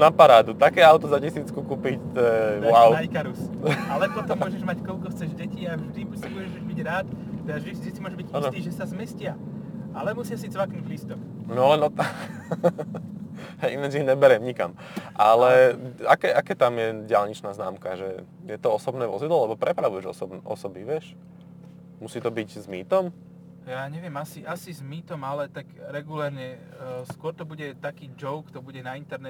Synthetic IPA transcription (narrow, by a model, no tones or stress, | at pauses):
napaɾaːd̪ut̪akɛːaʊt̪ɔzacɛsiːt͡skukuːpict̪ɔɛʋaʊajkaɾusalɛpɔt̪ɔmːɔʒɛʒmackɔlkɔxt͡sɛʒɟɛciːavʒd̪ibusibuɟɛʒbiɟɾaːt̪ɛd̪aʒɛɛsit͡ʃisimɔʒbiɟainst̪iːʒɛsazmɛscɪaalɛmɔsɪasit͡sɛʋaknuɟlist̪ɔxnɔlɛnɔt̪ | inɛd͡ʒiɲɛbɛɾɛmɲika̰m | ʔalɛakɛːʔakɛːt̪amjɛɟɪalɲit͡ʃnaːznaːmkaʒɛ | jɛt̪ɔɔsɔbnɛːʋɔzid̪lɔlɛbɔpɾɛpɾaʋujɛʒɔ̰sɔbnʔɔ̰sɔbiʋɪɛʃ | musiːt̪ɔbiɟzmiːt̪ɔm | jaːɲɛʋɪɛmasiʔasizmiːt̪ɔmalɛt̪akɾɛɡulɛɾɲɛ | skʊɔɾt̪ɔbuɟɛt̪akiːd͡ʒɔʊkt̪ɔbuɟɛnaint̪ɛɾnɛ